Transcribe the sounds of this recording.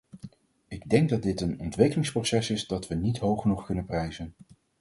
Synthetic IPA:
ɪɡ̚dɛŋɡ̚dɑd̚dɪtənɔ̰ntʋɪkəlɪŋsprosɛsɪzdɑtʋənitɦowχənuχkɵnənprɛjzən

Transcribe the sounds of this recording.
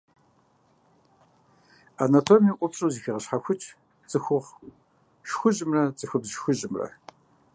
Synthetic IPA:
anɐtʰomjiːʔʷʼʊpɕʼuwziːxiʁɐɕħaxʷʊt͡ʃʼʰ | t͡sʼɨxʷʊʁ | ʃxʷʊʑʼɪmrɐt͡sʼɨxʊbzʃxʷʊʑʼɪmrɐ̰

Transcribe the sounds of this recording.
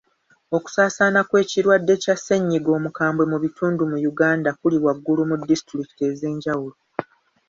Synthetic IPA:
o̞ku̥saːsaːnakwe̞ːciɾwadːe̞casːeɲːiɡo̞ːmukaːmbwe̞muβituːndumujuɡaːndakuliwaɡːulumudːistɾiki̥te̞ze̞ːɲɟawulo

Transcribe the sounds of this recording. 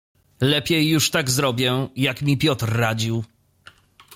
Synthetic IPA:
lɛpʲjɛjːuʂt̪aɡzɾɔbʲjɛjakmʲipʲjɔt̪ɾːad͡ʑiw

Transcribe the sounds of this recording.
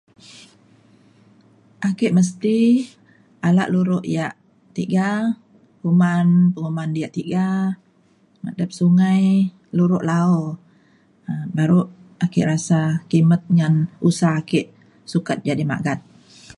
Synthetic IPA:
ʔakɪʔməs̬t̪i | ala̰ʔluɾʊʔjaʔ | t̪iɡa | humanpəŋumandijaʔt̪iɡa | mə̰dəp̚suŋaj | luɾʊʔlaɔ | baɾuʔakɪʔɾasakimət̪̚ŋanusahakɪʔ | sukat̪̚d͡ʒadima̰ʔɡat̪̚

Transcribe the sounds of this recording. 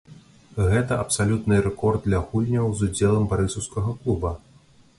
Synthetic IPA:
ɣɛt̪ɐɐpsalʲut̪nɨɾɛkɔrd̪̚dlʲɐɣulʲnʲɐwzud͡zʲɛlˠɐmbaɾɨsɐwskɐɣɐklˠubɐ

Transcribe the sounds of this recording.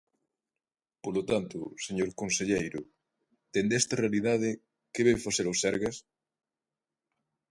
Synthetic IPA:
polot̪ant̪ʊseɲoɾkonseʎejɾʊ | t̪end̪ɛst̪arealiðað̞ɪ | keβeɱfaseɾosɛɾɣɐs

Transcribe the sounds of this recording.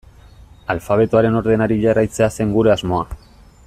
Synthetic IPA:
alfaβ̞e̞t̪uaɾe̞no̞ɾðe̞naɾiʝarajt͡se̞ase̞ŋɡuɾe̞azmo̞a

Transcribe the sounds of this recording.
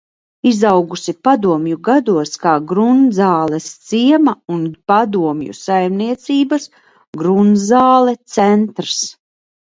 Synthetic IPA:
izawɡusipad̪uɔmjuɡad̪uɔskaːɡɾunzaːlˠɛst̪siɛmaunpad̪uɔmjṵsajmniɛt̪siːbas | ɡɾunzaːlˠɛt̪sɛnt̪ɾs

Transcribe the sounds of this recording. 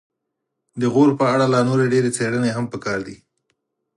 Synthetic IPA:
d̪əɣoɾpəaɽalɑnoɾeɖeɾet͡seɽəneɦampəkɑɾd̪i

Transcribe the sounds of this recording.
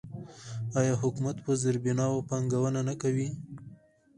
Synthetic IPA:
ɑjɑɦʊkumat̪pəzɪɾbinɑwopɑŋɡawənanakawi

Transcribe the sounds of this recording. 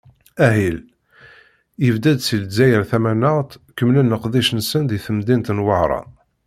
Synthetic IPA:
æɦil | əvd̪æd̪silzæjəɾθæmænəʁt̪kəmlænːəqðiʃnsənðiθəmd̪int̪nwəʕɾˤɑ̰

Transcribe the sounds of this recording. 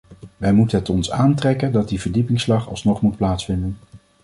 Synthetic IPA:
ʋɛjmutənɦɛətɔnsaːntrɛkəndɑt̚divəɹdipɪŋslɑχɑ̰lˠsnɔχmut̚plaːtsfɪndən

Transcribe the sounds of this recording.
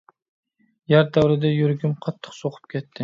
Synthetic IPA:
jæɾd̪æwɾɪd̪ɛjyɾɡʲymqʰɑt̪ʰːɨ̥qsoqʰɨ̥p̚kʲʰɛt̪ʰːɪ

